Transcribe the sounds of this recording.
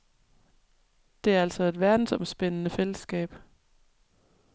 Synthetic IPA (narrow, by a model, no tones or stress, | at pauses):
d̥e̝æɐæl̰sɒ̽e̝d̥ʋæɐd̥n̩sɒ̽msb̥en̰ənəfel̰əsɡ̥ɛ̰ːb̥